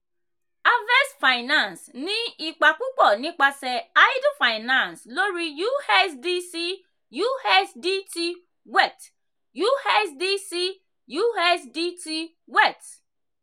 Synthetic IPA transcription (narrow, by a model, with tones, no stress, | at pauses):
a˦vɛ˦sfa˨ɪ˨nã˦˨nsnĩ˦i˨k͡pa˨ku˦k͡pɔ˦˨nĩ˦k͡pa˧sɛ˧a˦i˦du˦fa˨ɪ˨nã˦˨nslo˦ɾi˦ju˦ɛ˦sdi˦si˦ | ju˦ɛ˦sdi˦ti˦ | wɛ˦˨t | ju˦ɛ˦sdi˦si˦ | ju˦ɛ˦sdi˦ti˦ | wɛ˦˨t